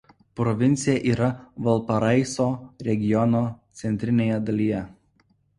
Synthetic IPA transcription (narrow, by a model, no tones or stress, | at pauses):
pɾɔʋʲɪnʲt̪sʲɪjɛʔiːɾɐʋɐlˠpɐɾɐɪsoːɾʲɛɡʲɪjɔnoːt̪sʲɛnʲt̪ʲɾʲɪnʲeːjɛd̪ɐlʲijɛ